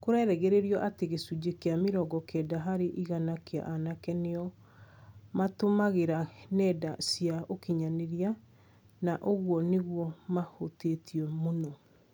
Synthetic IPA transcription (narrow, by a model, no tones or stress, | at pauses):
koɾɛɾɛɣeɾeɾiɔʔateɣesud͡ʑekeameɾɔɡɔkɛdaɦaɾeʔiɣanakea̰ʔanakɛneɔ | matomaɣeɾanɛdasiaokiɲaneɾia | naʔoɣwɔneɣwɔmahotetiɛmonɔ